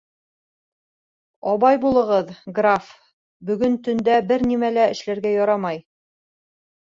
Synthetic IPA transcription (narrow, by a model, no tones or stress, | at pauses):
ɒβɑjbulˠɤ̆ʁɤðɡraf | bɵ̆ɡɵnt̪ɵ̆nd̪æbɘɾnimælæɘ̆ʃlæɾɡæjɒɾɑmɑj